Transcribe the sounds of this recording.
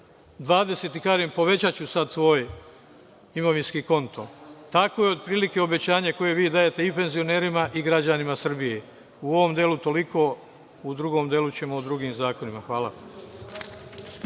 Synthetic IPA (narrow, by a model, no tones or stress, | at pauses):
d̪ʋaːd̪e̞set̪ikaɾempo̞ʋe̞t͡ɕat͡ɕusad̪sʋo̞ːj | imo̞ʋinskiːko̞nt̪ʰo̞t̪ako̞jeo̞d̪̚pɾiːlike̞o̞be̞t͡ɕaːɲako̞je̞ʋiːd̪aːje̞t̪e̞ipe̞nzio̞ne̞ːɾimaʔiɡɾad͡ʑanimasr̩bije̞ | uo̞ʋo̞md̪eːlut̪o̞likʰo̞ | ud̪ɾuɡo̞ːmd̪jeːlˠut͡ɕe̞mo̞od̪ɾuɡiːmzaːko̞nimaxʋaːlˠa